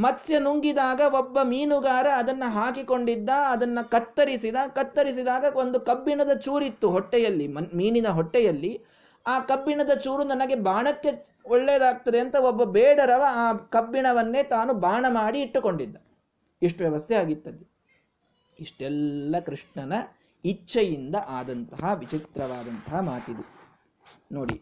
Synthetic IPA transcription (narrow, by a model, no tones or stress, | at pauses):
mɐsjɐnuŋɡid̪aːɡɐobːɐmiːnuɡaːɾɐːd̪ɐnːɐɦaːkiko̞ɳɖid̪ːɐɐd̪ɐnːɐkɐt̪ːɐɾisid̪ɐkɐt̪ːɐɾis̬id̪aːɡɐo̞nd̪ukɐbːiɳɐd̪ɐt͡ʃuːɾit̪ːuɦɔʈːɛjɐlːimɐmiːninɐɦɔʈːɛjɐlːi | aːkɐbːiɳɐd̪ɐt͡ʃuːɾunɐnɐɡe̞baːɳɐkːe̞ | ɔɭːeːd̪aːɡ̚t̪ɐd̪eɐnt̪ɐobːɐbɛːɽɐɾɐʋɐaːkɐbːiɳɐʋɐnːe̞ːt̪aːnubaːɳɐmaːɽiːʈːuko̞ɳɖid̪ːɐ | eʂʈuʋjɛʋɐst̪ʰɛaːɡit̪ːɐd̪i | iʂʈɛlːɐkɾiʂɳɐnɐ | it͡ʃːʃːɐjind̪ɐʔaːd̪ɐnt̪ɐɦɐʋit͡ʃit̪ɾɐʋaːd̪ɐnt̪ɐɦɐmaːt̪id̪e | noːɽḭ